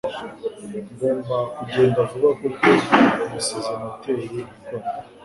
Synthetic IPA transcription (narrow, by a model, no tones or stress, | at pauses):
ŋɡoːmbakuɟeːndavuɡakokoumusezenoteɾoika